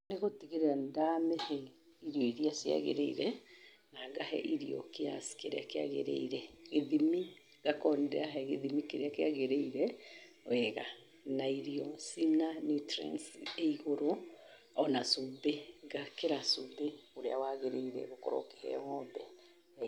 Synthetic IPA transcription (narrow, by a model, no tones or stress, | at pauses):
neɣotiɣeɾeandamɛhɛ | iɾiɔiɾiasia̰ɣḛɾḛiɾɛ | naɡahɛ̰ʔiɾiɔ̰kea̰si̥keɾeakea̰ɣḛɾḛiɾɛɣeðimi | ɡakɔndɛaɦɛɣeðimikeɾeakeaɣeɾeiɾɛ | wɛɣa | naiɾiɔsinanutɾɛ̰nsieiɣoɾo | ɔnasubeɡakeɾasubeoɾea̰waɣeɾeiɾɛ̰ɣokɔ̰ɾɔ̰ke̥hɛ̰ŋɔbɛ